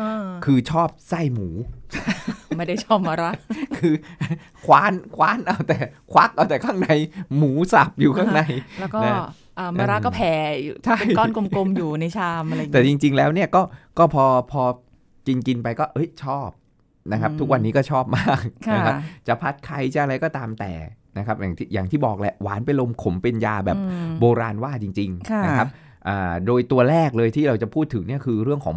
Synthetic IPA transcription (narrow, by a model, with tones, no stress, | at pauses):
ʔa˧kʰɯː˧t͡ɕʰɔː˥˩p̚sa˥˩jmuː˩˦ | ma˥˩da˥˩t͡ɕʰɔː˥˩p̚maː˧ɾa˦˥ʔkʰɯː˧ | kʰwaː˦˥nkʰwaː˦˥nʔa˧˩wt̪ɛː˨˩kʰwa˦˥k̚ʔaː˧˩t̪ɛː˨˩kʰaː˥˩ŋna˨˩jmuː˩˦sa˨˩p̚juː˨˩kʰaː˥˩na˨˩jlɛː˦˥wkɔːa˦˩ | ʔaː˨˩maː˧ɾa˦˥kɔː˥˩pʰɛː˨˩˦u˨t͡ɕʰa˥˩˧jkɔː˥˩nko˧mko˧mjuː˨˩na˧jt͡ɕʰaː˧mʔa˧ɾa˧˨t̪ɛː˨˩t͡ɕi˧ŋt͡ɕi˧ŋlɛː˦˥wni˥˩ɐkɔː˥˩kɔː˥˩pʰɔː˧pʰɔː˧ | ki˧nki˧npa˧jkɔː˥˩ʔɤ˦˥jt͡ɕʰɔː˥˩p̚ | na˦˥kʰa˦˥p̚t̪ʰu˦˥k̚wa˧nːiː˦˥kɔː˥˩t͡ɕʰɔː˥˩p̚maː˥˩k̚kʰna˦˥kʰa˦t͡ɕa˨˩pʰa˦˥t̪̚kʰa˧˥jt͡ɕa˨˩ʔa˧ɾa˧jkɔː˥˩t̪aː˧mt̪ɛː˨˩ | na˦˥kʰa˦˥p̚jaː˨˩ŋt̪ʰi˥˩jaː˨˩ŋt̪ʰiː˥˩bɔː˨˩k̚lɛ˧˩ʔwaː˩˦npa˧jlo˧mkʰo˩˦mpe˧njaː˧bɛː˨pboː˧ɾaː˧nwaː˥˩t͡ɕi˧ŋt͡ɕi˧ŋkʰa˥˧na˦a˦˥p̚ | ʔaː˨˩doː˧jt̪u˧ɐɾɛː˥˩k̚lɤː˧jt̪ʰiː˥˩ɾa˧wt͡ɕa˨˩pʰuː˥˩t̪ʰːɯ˩˦ŋni˥˩kʰɯː˧ɾɯ˥˩əŋkʰɔː˩˦